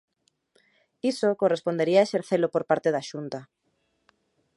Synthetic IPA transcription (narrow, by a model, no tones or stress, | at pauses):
isokorespond̪eɾiaeʃeɾθelopoɾpaɾt̪eðaʃunt̪a